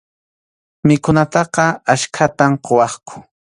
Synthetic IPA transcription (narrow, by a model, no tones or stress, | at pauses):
mɪkʊnat̪ɑqɑaʃkʰat̪amqowɑχkʰʊ̥